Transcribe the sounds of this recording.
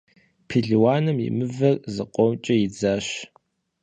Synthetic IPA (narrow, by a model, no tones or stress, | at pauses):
pʰiɮiwaːnɨmjḭmɨvɐrzɨ̰qʷʼɔmt͡ʃʼɐjɪd͡zaːɕ